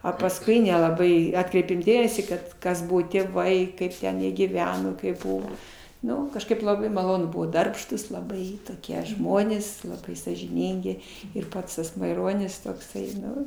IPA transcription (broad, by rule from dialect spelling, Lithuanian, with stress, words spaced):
ɐ pɐsˈkʊɪ nʲɛlˠɐˈbɐɪ ˈɑːtkrʲɛɪpʲeːm ˈdʲeːmʲɛsʲiː ˈkɐt ˈkɐs ˈbʊʋoː tʲeːˈʋɐɪ ˈkɐɪp tʲɛn jiɛ ɡʲiːˈʋʲæːnoː kɐɪp ˈbʊʋoː ˈnʊ kɐʃˈkɐɪp lˠɐˈbɐɪ mɐˈlˠoːnʊ ˈbʊʋoː ˈdɐrpʃtuːs lˠɐˈbɐɪ toːˈkʲiɛ ˈʒmoːnʲeːs ˈlˠɑːbɐɪ sɑːʒʲɪˈnʲiːŋʲɡʲɪ ɪr ˈpɐts tɐs mɐɪˈroːnʲɪs toːkˈsɐɪ ˈnʊ